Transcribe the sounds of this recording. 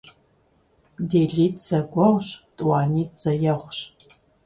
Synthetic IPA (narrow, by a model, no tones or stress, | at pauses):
deːɮiːtt͡sɐɡʷɔʁʷɕtʼuwɑːniːtt͡sɐjɐʁʷɕ